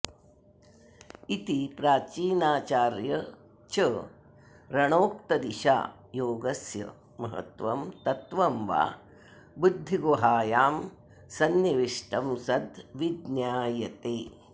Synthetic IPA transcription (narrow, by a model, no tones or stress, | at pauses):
it̪ipɾaːt͡ʃiːnaːt͡ʃaːɾjɐ | t͡ʃɐ | ɾɐɳoːkt̪ɐd̪iʃa̰ː | joːɡɐsjɐ̰ | mɐɦɐ̰t̪ʋɐmt̪ɐt̪ʋɐmʋa̰ː | bud̪ʱːiɡoɦaːjaːm | sɐnːɐʋiʂʈɐmsɐd̪ʋid̪njaːjɐt̪eː